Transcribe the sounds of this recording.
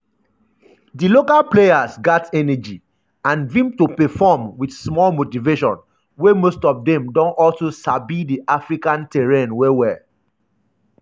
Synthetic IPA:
dilokalplejasɡatɛnɛd͡ʒi | ãnvĩmtopɛfɔmwidsmɔlmotiveʃɔ̰̃n | wemostɔfdɛ̃mdɔ̃nɔlsosabidiʔafɹikãntɛɹẽnwewɛ

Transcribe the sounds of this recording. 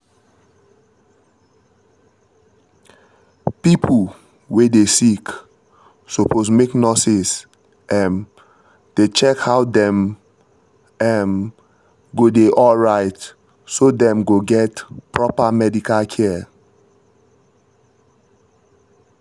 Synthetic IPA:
pipʰul | wedesik | sopʰosmeknɔsis | ʔɛ̃n | d̥et͡ʃɛkhawdɛ̃m | ɛn | ɡodeʔɔlɹaɪt | sodɛ̃mɡoɡɛtpɹɔpamɛdikalkʰɛ

